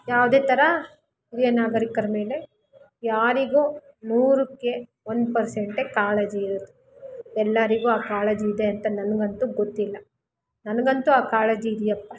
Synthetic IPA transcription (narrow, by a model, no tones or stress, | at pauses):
jaːʋud̪eːt̪ɐɾɐ | huɾijɐnaːɡɐɾikɐɾɐme̞ːle | jaːɾiɡuː | nuːɾukːe̞ | ond̪pɐɾseɳʈekaːlɐd͡ʒiːɾɐd̪u | ɛlːɐɾiɡuːaːkaːlɐd͡ʒiːd̪eɐnt̪ɐnɐnɐɡɐnt̪uɡot̪ːilːɐ | nɐnɐɡɐnt̪uaːkaːlɐd͡ʒiːd̪jɐpːɐ